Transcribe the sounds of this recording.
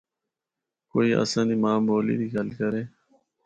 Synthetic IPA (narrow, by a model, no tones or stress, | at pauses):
koiːʔa̰sãnimaːmoːlḭd̪iɡɐlkəɾẽː